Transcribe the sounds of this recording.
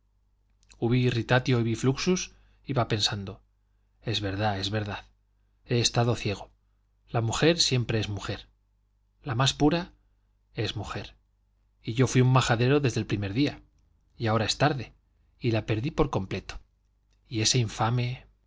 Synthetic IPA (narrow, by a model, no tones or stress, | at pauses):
uβiːrit̪at̪jo̞iβifluksus | iβape̞nsand̪o̞ | e̞zβe̞ɾðae̞zβe̞ɾðað | e̞ːst̪aðo̞θje̞ɣ̞o̞ | lamuxe̞ɾsje̞mpɾe̞ezmuxe̞ɾ | lamaspuɾa | ezmuxe̞ɾ | iʝo̞fwiumːaxaðe̞ɾo̞ðe̞zðe̞lpɾime̞ɾðia | iao̞ɾae̞st̪aɾðe̞ | ilape̞ɾðipo̞ɾko̞mple̞t̪o̥ | ie̞se̞iɱfame̞